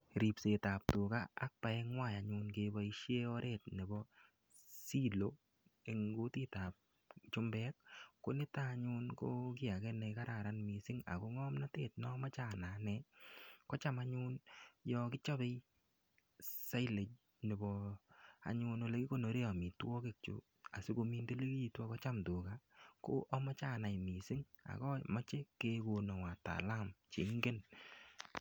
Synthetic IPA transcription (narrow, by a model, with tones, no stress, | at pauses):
ɾi˨pse˨ta˨p̚tu˨ka̰ː˦k̚pa˨ɛ˦ŋwa˦˨ja˨ɲʊ˧nke˧bɔ˨i˦ʃje˦ɔ˦ɾʔe˦˨t̚ne˨bɔ˦ | si˦lo˨˦ | e˨ŋɡo˦ti˦ta˨p̚ | t͡ʃʊ˦mbɛ˦k̚ːo˦nɪ˦ta˦ɲʊ˦nko˦kɪ˦a˨kɛ˦nɛ˧ka˦ɾa˨ɾa˦nmi˨sɪ˦ŋa̰˨ko˧ŋɔ˦mna˦te˦˨t̚nɔ˦ma˦t͡ʃa˦na˨nɛ˨kɔ˦t͡ʃa˦ma˦ɲʊ˦njɔ˧kɪ˦t͡ʃɔ˦be˦j | sa˦jle˨t͡ʃ̚ | nɪ˨bɔ˨a̰˨ɲʊ˧no˨˧le˨˦ki˦ko˦˨no˨ɾe˦a˨mi˨twɔ˦ke˦˨k̚t͡ʃṵ˨ | a˨sɪ˦ko˧mi˦nde˦le˦ki˦i˨twa˦kɔ˦t͡ʃa˦mtu˨ka˦ko̰˦ʔɔ˦mɔ˦t͡ʃa˦˨na˨jmi˨sɪ˦ŋ | a̰˨kɔ˦ma˦t͡ʃe˦ke˦ko˨nɔ˨ŋwa˨ta̰˨la˦mt͡ʃḛ˨ŋɡe˦n